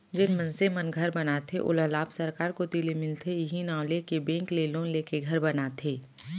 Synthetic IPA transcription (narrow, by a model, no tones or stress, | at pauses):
d͡ʒɪnmənsemənɡʱɐɾbɐnat̪ʰeʔʊ̰ləlaːbsɐɾkaːɾkot̪ilemɪlt̪ʰejɪɦinaːʊlekebẽːŋkleːlõːnleːkeɡʱɐɾbɐnat̪ʰeː